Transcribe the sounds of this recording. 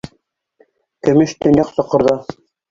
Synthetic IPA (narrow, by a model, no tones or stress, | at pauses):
kɘ̆mɘʃt̪ɘ̆njɑqsɤ̆qɤ̆ɾðɑ